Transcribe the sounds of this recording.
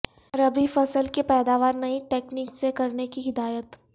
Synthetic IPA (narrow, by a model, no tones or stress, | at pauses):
ɾɐbifɐsəlkepɛːd̪aːʋaːɾnɐɦĩʈeːkniːksekɐɾnekiɦɪd̪aːjət̪